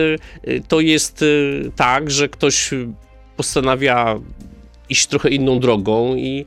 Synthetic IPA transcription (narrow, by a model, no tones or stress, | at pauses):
t̪ɔjɛst̪t̪ːaɡʐɛkt̪ɔɕ | pɔst̪anavʲja | iɕt͡ɕt̪ɾɔxɛinːɔ̃w̃d̪ɾɔɡɔ̃w̃i